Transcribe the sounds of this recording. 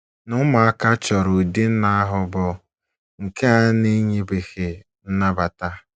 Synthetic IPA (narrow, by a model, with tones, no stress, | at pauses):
nʊ˦ma˨a˦ka˦t͡ʃɔ˨ɾo˨di˦n̩˦na˦a˦ɦʊ˦bɔ˦ | ŋ̩˨ke˦a˦ne˦ɲe˦be˨xe˨ | n̩˦na˦ba˨ta˦